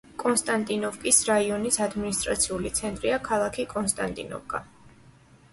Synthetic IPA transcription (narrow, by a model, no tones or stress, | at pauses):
kʼɔnst̪ʼant̪ʼinɔfkʼisɾaiɔnisad̪minist̪ʼɾa̰t̪sʰiulit̪sʰɛnt̪ʼɾiakʰalˠakʰikʼɔnst̪ʼa̰nt̪ʼḭnɔ̰vkʼa